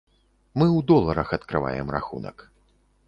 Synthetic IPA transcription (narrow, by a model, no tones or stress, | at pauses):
mɨwd̪ɔlˠɐɾɐxɐt̪kɾɨva̰jɛ̰mra̰xṵnɐ̰k